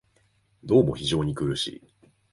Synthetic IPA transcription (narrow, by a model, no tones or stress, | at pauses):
d̪o̞ːmo̞çiʑo̞ːɲ̟ikɯɾɯ̟ɕḭː